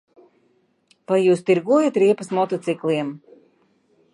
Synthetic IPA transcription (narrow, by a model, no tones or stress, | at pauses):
vajːuːst̪iɾɡuɔjat̪ɾiɛpasmɔt̪ɔt̪siklˠiɛm